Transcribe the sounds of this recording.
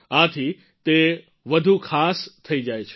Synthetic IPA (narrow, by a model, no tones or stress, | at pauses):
ãt̪ʰi | t̪e | ʋəd̪ʱukʰaːst̪ʰɐid͡ʒajt͡ʃʰ